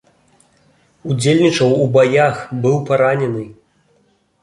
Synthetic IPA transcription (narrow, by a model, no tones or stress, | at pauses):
ud͡zʲelʲnʲit͡ʂɐwubajaxbɨwpaɾanʲɛnɨ